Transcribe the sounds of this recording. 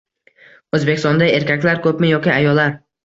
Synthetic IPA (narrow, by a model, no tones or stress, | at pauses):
ɵzbekʲɪst̪ɒnd̪ae̞ɾkʲʰakʲlaɾkʰɵpmɪjɒkʲɪajɒlːaɾ